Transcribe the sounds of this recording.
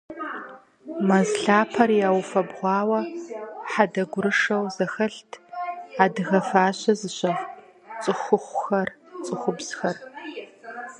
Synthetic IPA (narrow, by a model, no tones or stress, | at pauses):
mɐzɬaːpʰɐrjaːwfɐbʁʷɑːwɐħadɐɡʷʊɾɨʂɐwzɐxɐɬtʰaːdɨɣɐfaːɕɐzɨɕɐʁ | t͡sʼɨχʷʊχʷʊxɐrt͡sʼɨχʷʊbz̥xɐr